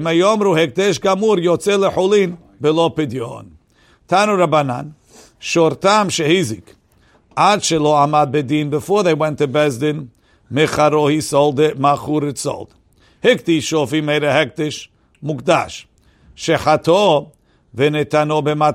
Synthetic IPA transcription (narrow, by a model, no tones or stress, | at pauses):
majɔmɾuhɛk̚d̪ɛʃ̬ɡamuɾjot͡sɛləħulĩn | bɛlopɪd̪jo̰n | t̪ʰanuɾabanãn | ʃɔɾt̪amʃɛhizɪk | ʔadʃɛloamad̪̚bɨd̪ĩnbɨfɔɹðeɪwɛ̃nt̪ːɨbɛzd̪ɪ̃n | mɪχaɾohisɔlˠd̪maχuɾɪtsɔ̰lˠd̪̥ | hɪk̚t̪iʃofimeɪɾəhɛk̚d̪ɛʃ | mukd̪aʃ | ʃɛħat̪o | vɛnɛt̪anobɛma